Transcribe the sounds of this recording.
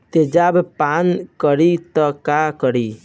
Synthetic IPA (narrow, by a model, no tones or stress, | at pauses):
t̪ed͡ʒabpankəɾit̪ɔkakəɾi